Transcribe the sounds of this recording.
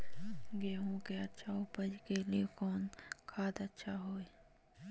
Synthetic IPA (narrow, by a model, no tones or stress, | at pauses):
ɡeːɦõkeɐtːʃʰaʊpəd͡ʒkeliekɔːnkʰaːd̪ɐtːʃʰaɦoːe